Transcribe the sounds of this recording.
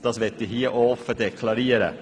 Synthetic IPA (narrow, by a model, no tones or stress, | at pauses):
d̪ɑsʋɛt̪ːɪhiːʔɔfədɛkʰlɑɾeːɾə̰